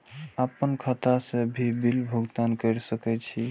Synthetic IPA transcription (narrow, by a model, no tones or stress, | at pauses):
apənkʰat̪asebʱibilbʱəɡt̪ankəjɾsəkɛt͡ʃʰi